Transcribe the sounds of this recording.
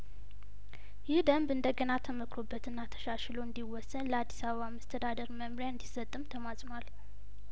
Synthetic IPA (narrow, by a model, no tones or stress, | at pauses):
jɪhd̪əmbɨnd̪əɡənat̪ʰəməkʰɾobːət̪ɨnːat̪ʰə̥ʃaʃloɨnd̪iwɔsːənləad̪ːisaβəβaməst̪ʰəd̪ad̪əɾməmɾjaɨnd̪isːət̪ʼːɨmt̪ʰəmasʼnwal